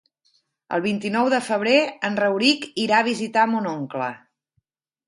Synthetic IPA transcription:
ə̰lˠβ̞int̪inɔwðəfəβ̞ɾeənrəwɾikiɾaəβ̞izit̪amonoŋklə̰

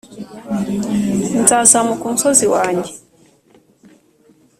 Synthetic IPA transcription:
m̩zazamukum̩sɔziwaɲɛ

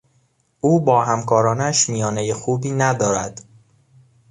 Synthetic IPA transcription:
ʔuːbɒːhæmkʰɒːɾɒːnæʃmijɒːnejexuːbiːnæd̪ɒːɾæd̪̥

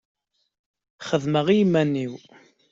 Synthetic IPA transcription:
χəðməʁijmænːiw

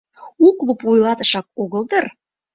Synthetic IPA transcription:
uklˠupvujlˠɑt̪ə̆ʃɑk̚oɣəld̪ɤr

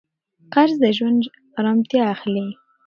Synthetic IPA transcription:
qaɾzd̪əʒwand̪ | ɾɑmt̪jɑːxle

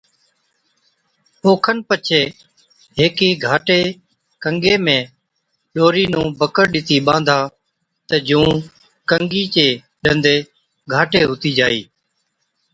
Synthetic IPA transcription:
oːkʰənpət͡ʃʰeː | ɦeːkiːɡʱaːʈeː | kəŋɡeːmẽː | ɗoːɾiːnũːbəkəɾɗɪt̪iːɓãːnd̪ʱaː | t̪əd͡ʒũː | kəŋɡiːt͡ʃeː | ɗənd̪eː | ɡʱaːʈeːɦʊt̪iːd͡ʒa̰ːḭː

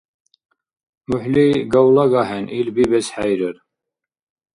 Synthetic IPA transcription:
muħliɡawlɑɡɑɦɛnʔilbibɛsħæjɾəɾ

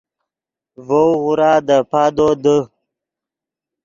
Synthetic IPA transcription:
vowɣuɾɑːd̪əpɑːd̪od̪ə

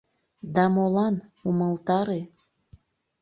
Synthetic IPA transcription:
d̪ɑmolɑnuməlˠt̪ɑɾe

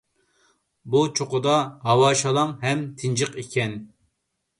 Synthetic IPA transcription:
but͡ʃʰoqʊd̪ɑɦɑwɑːʃɑlˠɑŋɦɛmt̪ʰɪnd͡ʒɨqikʲʰɛn

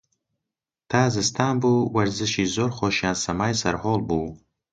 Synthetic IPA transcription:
t̪ʰaːzɨst̪ʰaːnbuwaɾzɨʃizoɾχoʃjaːnsamaːjsaɾħoːlbu

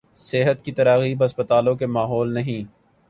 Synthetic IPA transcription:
seɦət̪kit̪ɐɾaːɣiːbɦɐspət̪aːlõkemaːɦɔːlnɐɦĩː

